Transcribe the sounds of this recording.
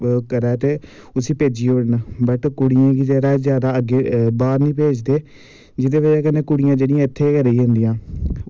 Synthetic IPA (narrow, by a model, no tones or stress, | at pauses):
kəɾɛːt̪eː | ʊsiːpeːd͡ʒiːoːɽənbəʈkʊɽɪjãːkiːzaːd̪aːzjaːd̪aːəɡːeːbaːɾnĩːpeːd͡ʒd̪eː | d͡ʒɪd̪eːʋəd͡ʒaːkɪneːkʊɽijãːd͡ʒeːɽijãːɪt̪ʰːeːkəɾeiːɦẽnd̪ijãː